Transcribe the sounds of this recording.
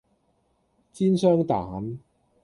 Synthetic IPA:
t͡siː˥nsœː˥ŋt̪aː˨˦˥n

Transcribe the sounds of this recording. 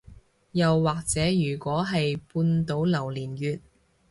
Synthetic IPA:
jɐ˨wːaː˨k̚t͡sɛː˨˥jyː˨˩kʷɔː˨˥ɦɐ˨jpuː˧nt̪o˨˥wlɐ˨˩wliː˨˩njyː˨t̚

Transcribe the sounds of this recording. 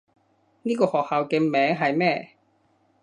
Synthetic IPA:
niː˥kɔː˧hɔː˨k̚haː˨˧wkɛː˧mɛː˨˥ŋɦɐ˨jmɛː˥˧

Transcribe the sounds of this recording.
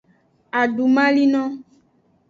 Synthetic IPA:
a˨ɖu˨mã˦li˦nɔ̃˦

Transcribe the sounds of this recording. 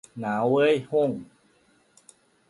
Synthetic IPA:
naː˨˦wə˦˥˨jho˥˩˨ŋ

